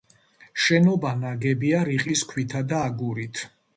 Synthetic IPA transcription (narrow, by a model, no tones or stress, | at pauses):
ʃɛnɔbanaɡɛbiaɾiqʼiskʰwit̪ʰad̪aːɡuɾit̪ʰ